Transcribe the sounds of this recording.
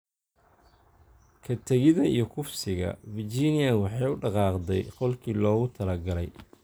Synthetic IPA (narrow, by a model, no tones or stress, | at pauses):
kʰɐt̪ʰɐɣɪðɐijɞkʰʊfsɪɣɐ̰vɪrt͡ʃiːnɪjɐwɑħɑjʊɖɑqɑːqd̪ɛjqɔlkʰiːlɔːɣʊt̪ʰɐlɐɡɐlɛj